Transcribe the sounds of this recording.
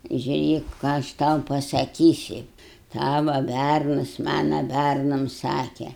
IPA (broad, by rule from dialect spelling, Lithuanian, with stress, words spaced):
ʒʲʊˈrʲeːk kɑː ɐʃ ˈtɐʊ pɐsɐˈkʲiːsʲɪ ˈtɑːʋɐ ˈbʲærnɐs ˈmɑːnɐ ˈbʲærnɐm ˈsɑːkʲɛ